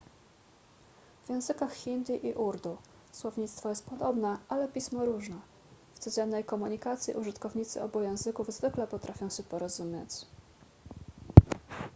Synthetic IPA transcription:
vjɛ̃w̃zɘkaxxʲind̪iʔiʔuɾd̪u | swɔvɲit̪st̪fɔjɛst̪̚pɔd̪ɔbnɛʔalɛpʲismɔɾuʐnɛ | ft̪sud͡ʑɛnːɛjkɔmuɲikat̪sʲjḭʔuʐɘt̪kɔvɲit̪sɘ̰ʔɔ̰bujɛ̃w̃zɘkuvzvɘklɛpɔt̪ɾʔafʲjɔ̃w̃ɕɛpɔɾɔzumʲjet͡ɕ

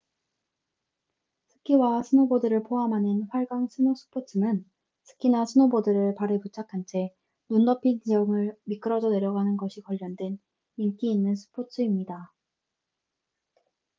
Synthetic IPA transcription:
sʰɯ̥kʰiwasʰɯnobodɯɾɯɭpʰoɦamɦanɯnɸwaɭɡaŋsʰɯnosʰu̥pʰot͡ɕʰɯmɯn | sʰɯ̥k͈ʰinasʰɯnobodɯɾɯɭpaɾɯput͡ɕʰakʰant͡ɕʰe̞ | nundʌpʰid͡ʑijʌŋɯɭmik͈ɯɾʌd͡ʑʌne̞ɾjʌɡanɯnɡʌɕʰikʌʎːʌndwen | mink͈iːnːɯnsʰɯ̥pʰot͡ɕʰɯimɲida

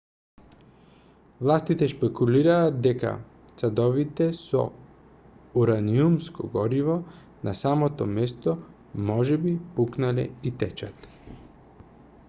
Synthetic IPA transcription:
vlˠast̪it̪ɛʃpɛkuliɾaːt̪̚d̪ɛka̰ | t̪sad̪ɔvit̪ɛsɔ̰ | uɾaniumskʰɔ̰ɡɔɾivɔ | nasamot̪ɔmɛst̪ɔ | mɔʒɛbipuknalɛ̰it̪ɛt͡ʃat̪

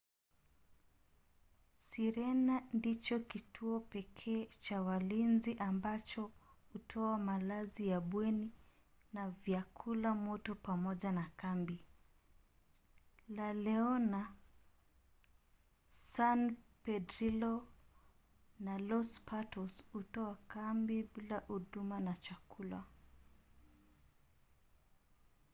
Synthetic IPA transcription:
siɾɛnandit͡ʃɔkitʰuɔpɛkʰɛːt͡ʃawalinziʔambat͡ʃɔhutʰɔamalazijaɓwɛni | navjakʰulamɔtɔpamɔʄanakambi | lalɛɔna | sanpɛdɾilɔ | nalɔspʰatɔshutɔakambiɓilahuɗumanat͡ʃakula̰

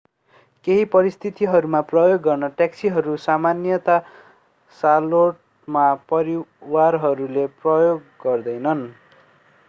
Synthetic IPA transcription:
keɦipʌɾist̪ʰit̪iɦʌɾumaprʌjoɡːʌrnʌʈaksiɦʌɾusamanjʌt̪a | saloʈ̚ | mapʌɾiwarɦʌɾuleprʌjoɡːʌrd̪ʌjnʌn

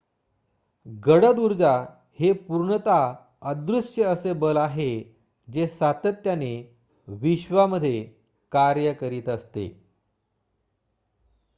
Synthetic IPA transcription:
ɡəɽəd̪uɾd͡za | hepuɾɳət̪a | əd̪ɾusjəəsebəlaɦe | d͡ʑesat̪ət̪jane | ʋiɕʋaməd̪ʱːje | kaɾjəkəɾiːt̪əst̪ḛ

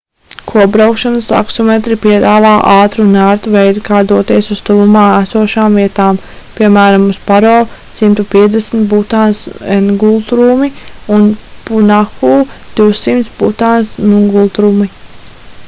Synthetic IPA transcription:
kʰuɔbɾawkʃanəsa̰ksɔmet̪ɾipiɛd̪aːvaːʔɑːt̪ɾunæːɾt̪uvɛjd̪ikaːd̪uɔt̪iɛsust̪ulumaːæsuɔʃaːmviɛt̪aːm | piɛmæːɾamuspaɾɔːsimt̪upiɛd̪esn̩t̪̚but̪aːnsenɡulˠt̪ɾumiunpunaxuːd̪̥iwsimt̪sbut̪aːnsnuŋɡulˠt̪ɾuːmi

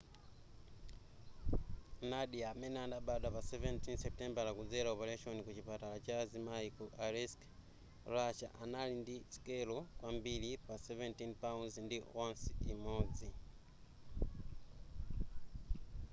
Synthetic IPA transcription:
naɗiamɛnɛandaɓaɗapasɛvɛntinsɛp̚tɛmbalakud͡zɛɾaɔpɛɾaʃɔnikut͡ʃipatalat͡ʃazimaikuʔaɾɛsk | raʃaʔanalindiskɛlɔkwambilipasɛvɛntinpaunzndiwansiimɔd͡zi

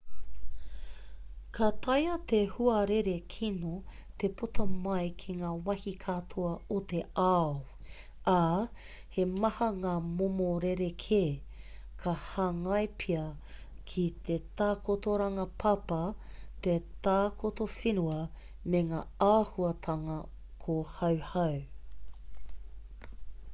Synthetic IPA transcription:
kʰat̪ɐjɐt̪ehuɐɾeɾekʰino | t̪epʰotʰɐmɐjkʰiŋaːwɐhikʰatʰoɐot̪eaw | ʔa | hemɐhɐŋaːmomoɾeɾekʰeː | kʰɐhaŋɐjpʰiɐ | kʰit̪etaːkotoɾɐŋɐpʰɐpɐt̪et̪aːkʰotofinuɐ | meŋaːaːhuɐtʰɐŋɐ | kʰohɐwhɐw

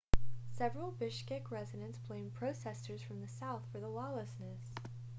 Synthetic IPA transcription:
sɛvɹəl̩ˠbɪʃkɪkɹɛzɨɾɨ̃nsb̥l̥ẽɪ̃mpʰɹ̥oʊsɛsə˞z̥fɹʌ̃mðɨsaʊθfə˞ðəlɔlˠəsnɨs

